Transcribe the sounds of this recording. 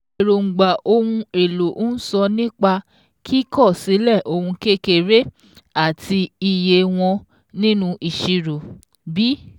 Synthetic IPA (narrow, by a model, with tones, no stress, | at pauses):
ɾo˨ŋ͡m̩˨ɡ͡ba˨ʔo˧hũ˧e˨lo˨ʔn̩˦sɔ˧nĩ˦k͡pa˧ | kʰi˦kɔ˦˨si˨˦lɛ˦˨ʔo˧hũ˧ke˦ke˦˨ɾe˦ | a˦˨ti˧i˨je˧w̃ɔ̃˧ | nĩ˦nũ˧ʔi˨ʃi˧ɾo˨ | bi˨˦